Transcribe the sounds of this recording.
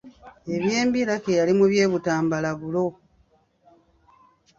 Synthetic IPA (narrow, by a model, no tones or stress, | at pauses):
e̞βje̞ːmbiɾakejalimuβje̞ːβutaːmbalaβulo̞